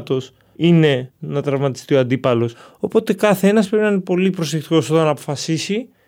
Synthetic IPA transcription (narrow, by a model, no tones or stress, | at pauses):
t̪o̞s | ine̞nɐt̪ɾɐvmɐt̪ist̪io̞ɐnd̪ipɐlo̞s | o̞po̞t̪e̞kɐθee̞nɐs̬pɾe̞pinɐinepo̞lipɾo̞sekt̪i̥ko̞so̞t̪ɐnɐːpo̞fɐsisi